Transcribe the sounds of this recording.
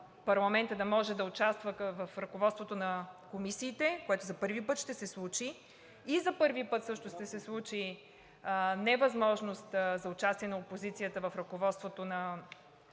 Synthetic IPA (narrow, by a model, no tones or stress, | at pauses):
pɐɾlˠɐmɛnt̪əd̪ɐmɔʒɛd̪ɐʊt͡ʃast̪vəvɐfɾɐkovɔt̪st̪vot̪onɐkomisiːt̪ɛkoɛt̪ʊzɐpɤɾvipɤt̪ʃt̪ɛsɛslˠut͡ʃi | izɐpɤɾvipɤt̪sɤʃt̪ʊʃt̪ɛsɛslˠut͡ʃi | nɛvɐzmɔʒnost̪zɐʊt͡ʃast̪iɛnɐopozit̪sijət̪əvɐfɾɐkovɔt̪st̪vot̪onɐ